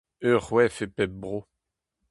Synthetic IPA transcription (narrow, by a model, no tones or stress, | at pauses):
øʁwɛfepɛbʁo